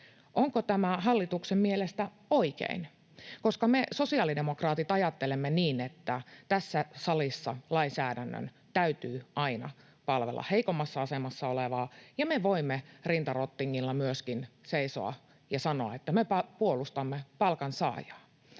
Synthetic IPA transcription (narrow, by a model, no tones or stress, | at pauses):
ʔoŋkot̪æmæɦɑlːit̪uksemmielest̪æ | o̞ikḛin | ko̞skɑmeso̞siɑlide̞mokrɑːt̪it̪ɑjɑt̪ːelemːeniːnet̪ːæt̪æsːæsɑlisːɑlɑinsæːdænːø̰n | t̪æyt̪yːɑinɑ̰ | pɑlʋḛlːʔɑ̰heikomːɑsːɑɑsemɑsːɑoleʋɑːjɑmeʋoimːerint̪ɑrot̪ːiŋːilːɑmyøskinseiso̰ɑ̰ | jɑsɑnoɑet̪ːæmepɑpuolust̪ɑmːepɑlkɑnsɑ̰ːjɑː